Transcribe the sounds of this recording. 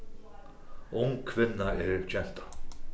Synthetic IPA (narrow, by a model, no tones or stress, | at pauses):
ʔʊŋkʰvɪnːaɛɾt͡ʃʰɛn̥t̪ḁ